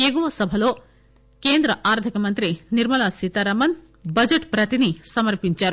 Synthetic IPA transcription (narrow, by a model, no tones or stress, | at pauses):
eːɡuʋɐsɐbʱɐlo̞ː | keːnd̪ɾɐʔaːɾd̪ʱikɐmɐnt̪ɾiniɾmɐlaːsit̪ɐɾɐmɐn | bɐd͡ʒɐʈpɾɐt̪inisɐmɐɾpiɲt͡ʃaːɾu